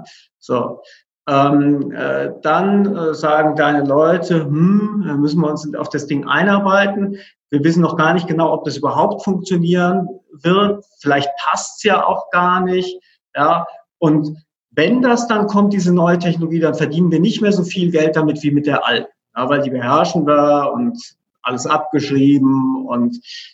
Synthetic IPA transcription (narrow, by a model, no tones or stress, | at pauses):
z̥o̰ː | ʔɛːmʔɛ̰ːd̥anɛːzaːɡŋ̩d̥aɪnəlɔʏtʰəmm̩aːmʏsn̩viːɐʊnsa̰ʊfd̥asd̥ɪŋʔa̰ɪnaɐbaɪtn̩ | viːɐvɪs̬n̩nɔχɡ̥aːɐnɪçt̚ɡ̥ənaʊɔp̚d̥asʔyːbɐɦaʊptfʊŋk̚t͡sjoniːʁənvɪɐtfɪlaɪçt̚pʰastsjaːʔa̰ʊxɡ̥aːɐnɪçt | jaː | ʔʊnt | vɛndasd̥ankʰɔmt̚d̥iːzənɔʏətʰɛçnoloɡiːdanfɛɐdiːnənviːɐnɪçtmeːɐzoːfiːlɡɛlt̚d̥amɪtv̥iːmɪt̚d̥eːɐʔa̰lt̚n̩jaːvaɪldiːbəɦɛɐʃn̩vaːʊnt | ʔa̰ləsʔap̚ɡ̥əʃʁ̥iːbm̩ʊ̰nt